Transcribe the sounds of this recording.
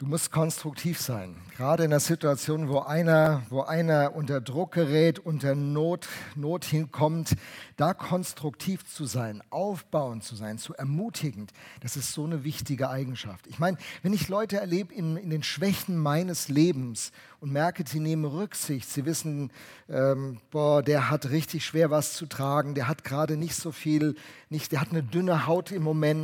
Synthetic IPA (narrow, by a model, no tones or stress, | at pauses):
d̥uːmʊst̚kʰɔnstʁ̥ʊk̚tʰiːfz̥aɪnɡ̥ʁaːɾəɪndeɐzɪtuat͡sjoːnvoːʔaɪnɐvoːʔaɪnɐʔʊntɐdʁʊk̚ɡ̥əʁɛːtʔʊntɐnoːtnoːthɪnkʰɔmtd̥aːkʰɔnstʁ̥ʊktʰiːft͡suzaɪnʔaʊfb̥aʊənt͡suzaɪnt͡suɛɐmuːtʰɪɡŋ̩td̥asɪstz̥oːnəvɪçtɪɡəʔaɪɡŋ̩ʃa̰ftɪçmaɪnəvɛnɪçlɔʏtəɛɐleːbəɪnɪndeːnʃv̥ɛçn̩maɪnəsleːbm̩s | ʊntmɛɐkədiːneːmənʁʏkz̥ɪçtz̥iːvɪsn̩ | ʔɛːmb̥ɔːɐdeːɐɦatʁɪçtɪçʃv̥eːɐvast͡sutʁ̥aːɡŋ̩deːɐɦatɡ̥əʁaːdənɪçtz̥oːfiːlnɪçtd̥eːɐhatnədʏnəhaʊtɪmːomɛn